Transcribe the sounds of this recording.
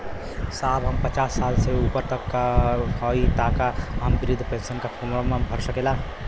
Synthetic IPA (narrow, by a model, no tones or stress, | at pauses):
sabɦəmpət͡ʃasːalseupəɾt̪əkːahɔit̪akaɦəmbɾid̪ʱpẽnsənkapʰonɾəmebʱəɾsəkela